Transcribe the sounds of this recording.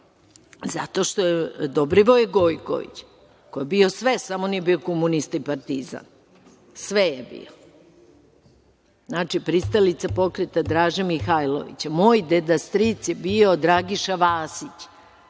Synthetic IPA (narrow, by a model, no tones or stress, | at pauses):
za̰t̪o̞ʃt̪ojed̪obɾiʋojeɡo̞jko̰ʋḭt͡ɕ | kojebio̞sʋesamoniebiokomunist̪aipaɾt̪iza̰n | sʋejebḭo | znaːt͡ʂipɾist̪alit̪sapo̞kɾɛt̪ad̪ɾaːʒemixajlˠo̰ʋḭt͡ɕamoːjd̪ed̪ast̪ɾit̪sjebiod̪ɾaːɡiʃaʋaːsit͡ɕ